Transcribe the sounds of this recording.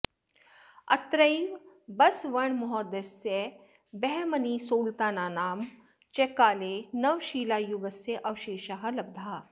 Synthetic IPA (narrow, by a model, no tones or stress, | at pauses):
ɐ̰t̪ɾəibɐsʋɐɳmʊɦɔːd̪ese | bɛɦmɐnisoːlt̪aːnaːnaːm | t͡ʃekaːlenɐʋʃiːlaːjuʋəseʔɐʋʃeːʃaːɦɐlɐb̚d̪ʱaː